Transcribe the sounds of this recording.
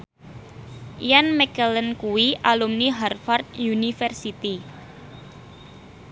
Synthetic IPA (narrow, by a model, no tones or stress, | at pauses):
janmɛkələnkuwiʔalumniɦarfart̪̚junifɛrsit̪i